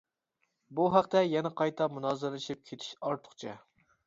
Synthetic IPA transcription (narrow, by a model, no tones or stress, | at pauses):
buɦæqt̪ɛjɛnɛqʰɑjt̪ʰɛmunɑːzɨɾlɨʃip̚kʲʰet̪ʰi̥ʃɑɾt̪ʰʊ̥χt͡ʃʰɛ̰